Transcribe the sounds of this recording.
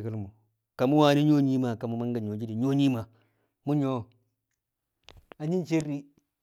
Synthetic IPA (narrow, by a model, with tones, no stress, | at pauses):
ka˦lmu˨ | ka˨mu˦wa˦ni˦ɲo˦ɲi˦ma˨ka˨mu˦ma˦ŋɡa˨ɲo˨d͡ʒi˦di˨ɲo˦ɲi˦ma˨ | mu˦ɲo˦˨ | a˨ɲi˦nt͡ʃe˦ɾːi˦